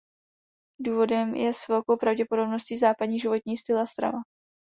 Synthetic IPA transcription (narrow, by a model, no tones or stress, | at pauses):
duːvo̞dɛmjɛsvɛlko̞wpɾavɟɛpo̞do̞bno̞sciːzaːpadɲiːʒɪvo̞t̪ɲiːst̪ɪlast̪ɾa̰va